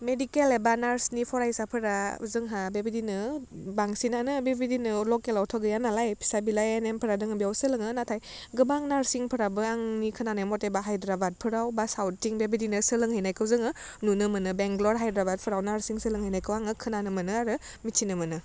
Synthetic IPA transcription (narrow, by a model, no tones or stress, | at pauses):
medikelebanaɾsnipʰɔɾajsapʰɯɾa̰zɯŋɦabebidinɯbaŋsinanɯbebidinɯlɔkelawtʰɔɡɯjanalajpʰi̥sabilajenempʰɯɾadɯŋɯbijawsɯlɯŋɯnatʰaj | ɡɯbaŋnaɾsiŋpʰɯɾabɯaŋnikʰɯnanajmɔtebaɦajdɾabat̚pʰɯɾawbasawtːiŋbebidinɯsɯlɯŋɦajnajkʰɯwzɯŋɯnunɯmɯnɯbeŋɡlɔɾɦajdɾabat̚pʰɯɾawnaɾsiŋsɯlɯŋhɯjnajkʰɯwaŋɯkʰɯnanɯmɯnɯaɾɯmitʰinɯmɯnɯ